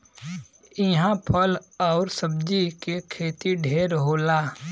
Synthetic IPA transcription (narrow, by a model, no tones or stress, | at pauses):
ɪɦãpʰəlɔːɾsəb̚d͡ʒikekʰeːt̪iɖʱeːɾɦoːlaː